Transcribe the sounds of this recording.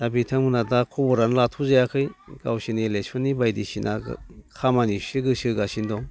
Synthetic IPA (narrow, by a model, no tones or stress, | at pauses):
dabitʰaŋmɯnadakʰɔbɔɾanlatʰuzajakʰɯjɡ̥awsinilesɯnibajdisinʔa̰kʰamanisɯɡɯsɯɡasindɔŋ